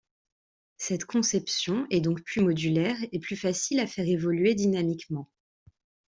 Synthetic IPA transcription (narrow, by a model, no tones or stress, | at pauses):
sɛt̪kʰɔ̃sɛpsjɔ̃ɛd̪ɔ̃kplymɔd̪ylɛʁeplyfasilafɛʁevɔlɥed̪inamikmɑ̃